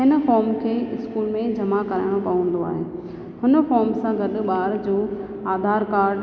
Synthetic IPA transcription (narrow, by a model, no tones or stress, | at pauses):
ɦɪnəfɔːɾmkʰeːɪskuːlmẽd͡ʑɐmakɐɾaːɪɽ̃opɐʋə̃n̆d̪oa̰ːɦeː | hʊnə̆fɔːɾmsãɡɐɗ̆ɓaːɾd͡ʑoː | aːd̪ʱaːɾkaːɾɖ